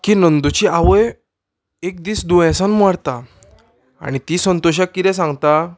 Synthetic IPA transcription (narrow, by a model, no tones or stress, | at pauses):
kiːnənd̪ut͡ɕiaʋəj | ek̚d̪iːsd̪ujãsãnmaɽt̪a | a̰ɽ̃it̪isənt̪ɔɕ̬akːit̪ɛ̃sãŋɡt̪a